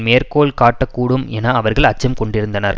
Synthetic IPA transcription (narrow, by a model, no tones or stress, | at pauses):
meːɾkoːɭkaːʈːɐkːuːɽɯmeːnaːɐʋɐɾɣɐɭɐt͡ʃːɐmkɔɳɖɪɾɯnd̪ɐnɐ̰ɾ